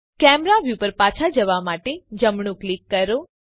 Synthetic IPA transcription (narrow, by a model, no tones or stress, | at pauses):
kɛmɾaʋjupəɾpat͡ʃʰad͡ʒəʋamaʈed͡ʒəmɳ̃ũklikːəɾo